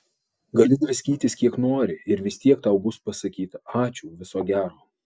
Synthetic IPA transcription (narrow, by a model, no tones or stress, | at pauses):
ɡɐlʲɪd̪ʋʲɪsʲkʲiːt̪ʲɪskʲiɛknoːɾʲɪɪɾʋʲɪsʲt̪ʲiɛkt̪ɑʊbʊspɐsɐkʲiːt̪ɐɑːt͡ʃʲʊːʋʲɪsoːɡʲæːɾoː